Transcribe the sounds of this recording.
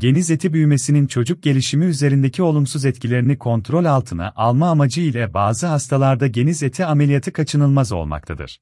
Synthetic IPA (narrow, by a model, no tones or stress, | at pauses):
ɟe̞nize̞t̪ʰibyjme̞sinint͡ʃʰo̞d͡ʒuk̚ɟ̥e̞lʲiʃimiyze̞ɾind̪ecʰio̞lˠumsuzɛt̪cʰilʲe̞ɾinikʰo̞nt̪ɾo̞lʲalˠt̪ʰɯna̰ʔalˠmaːmad͡ʒɯilʲɛbaːzɯɦast̪ʰalˠaɾd̪aɟe̞nizet̪ʰiamelʲijat̪ʰɯkʰat͡ʃʰɯnɯlˠmazo̞̰lˠma̰k̚t̪ʰa̰d̪ɯ̰ɾ̥